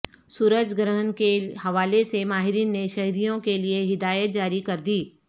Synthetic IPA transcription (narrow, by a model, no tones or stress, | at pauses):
suːɾəd͡ʒɡɾəɦənkehɐʋaːlesemaːɦɪɾiːnːeʃɐɦɾijõkelieɦɪd̪aːjət̪̚d͡ʒaːɾikɐɾd̪iː